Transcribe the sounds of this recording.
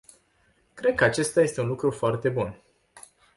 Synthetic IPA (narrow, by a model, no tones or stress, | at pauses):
kɾe̞d̪̚kəat͡ʃe̞st̪aje̞st̪e̞unlukɾufoart̪e̞bun